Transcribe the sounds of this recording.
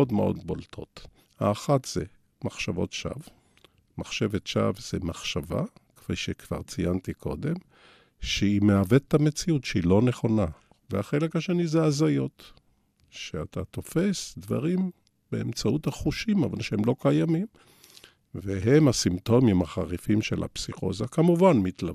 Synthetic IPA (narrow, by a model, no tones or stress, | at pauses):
odmeʔo̞̰dbo̰ltʰo̞̰t | ha̰ːχatz̥ḛ | maχʃavo̞̰tʃa̰v | maχʃe̞vetʃa̰vz̥emaχʃava̰ke̥fijʃekv̥a̰ʁt͡sijant̪ikʰo̞̰d̪em | ʃeimeavettːamet͡siutʃeilo̞ne̞χo̞na | veaχe̞le̞khaʃenizeazajo̞t̪ | ʃeat̪ʰat̪o̞fe̞sdva̰ʁim | beemt͡sauthaχuʃimavalʃeemlo̞kajamim | veɦemasimto̞mimaχaʁifimʃḛlha̰psiχo̞̰zakamuvanmit̪la